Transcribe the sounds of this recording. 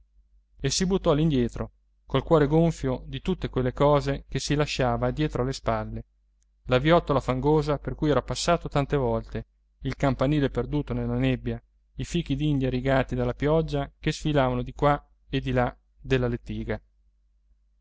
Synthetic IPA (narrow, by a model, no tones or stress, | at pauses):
esːibut̪ːɔlind̪jɛːt̪ɾo | kolkwɔːɾeɡoɱfjod̪it̪ut̪ːekwelːekɔːzekesːilaʃːaːvad̪jɛːt̪ɾoalːespalːe | lavjɔt̪ːolafaŋɡoːzaperkujɛːɾapasːaːt̪ot̪ant̪evɔlt̪e | ilkampaniːleperd̪uːt̪onelːanebːja | ifiːk̟id̪ind̪jaɾiɡaːt̪id̪alːapjɔd͡ʒːakesfilaːvanod̪ikwa | ed̪ila | d̪elːalet̪ːiːɡa